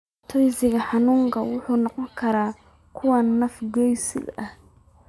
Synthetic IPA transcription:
t̪ʰɔjsɪɣɐħɑnuːŋkʰɐwʊħuːnɔqɔŋkʰɐɾaː | kʰʊwɐnɐfɡɔjsɪ̰dɐh

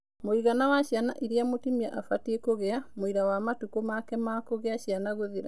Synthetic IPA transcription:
moiɣanawaɕjana̰ʔiɾeamotimiaʔafatiekoɣeamoiɾawamatukomakɛmakoɣeaʃianaɣoðeɾa

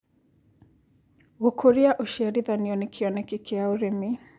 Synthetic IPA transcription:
ɣokʰoɾiaʔoʃiaɾiðaniɔnekʰiɔnɛkikʰeaoɾemi

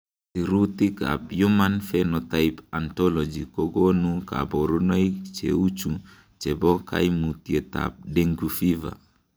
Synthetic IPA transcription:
siɾut̪ika̰p̚jumanfenot̪ajpant̪ɔlɔd͡ʒikoɡonuka̰boɾunajt͡ʃḛut͡ʃu | t͡ʃebɔka̰jmut̪iet̪a̰p̚deŋɡufiva̰

